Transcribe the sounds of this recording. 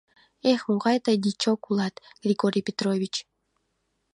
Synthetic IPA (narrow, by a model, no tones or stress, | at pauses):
exmuʁɑjt̪ajd̪ʲit͡ɕokulˠɑt̪ɡ̥rʲiɡoɾʲipʲet̪roβʲit͡ɕ